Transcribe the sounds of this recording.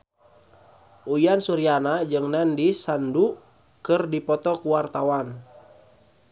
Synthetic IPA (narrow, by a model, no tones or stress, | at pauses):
ʔujansuɾianad͡ʒɨŋnandisandu | kɨrdipɔt̪ɔkuwart̪awan